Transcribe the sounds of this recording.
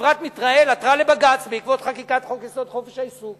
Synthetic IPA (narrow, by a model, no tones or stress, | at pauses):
vʁat̪mit̪ʁaelat̪ʁale̞baɡat͡sbeikvo̞t̪χakikat̪χokeso̞t̪χo̞feʃaisuɡ